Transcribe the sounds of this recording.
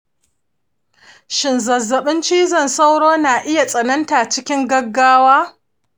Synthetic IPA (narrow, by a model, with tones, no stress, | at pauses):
ʃɪ˨nzɐ˨zːɐ˨ɓɪ˦nt͡ʃiː˦zɐ˨nsa˦wɽoː˦naː˨ʔɪ˦ja˨sʼɐ˨nɐ˦nta˨t͡ʃɪ˦kʲɪ˦ŋɡɐ˦ɡːaː˦waː˦